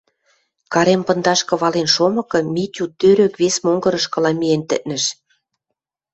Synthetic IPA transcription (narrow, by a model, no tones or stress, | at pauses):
kɑɾempɤ̆nd̪ɑʃkɤ̆βɑlenʃomɤ̆kɤ̆mʲitʲut̪ːøɾøkβesmoŋɡɤ̆ɾɤ̆ʃkɤ̆lɑmient̪ɘ̰̆t̪̚nɘ̆ʃ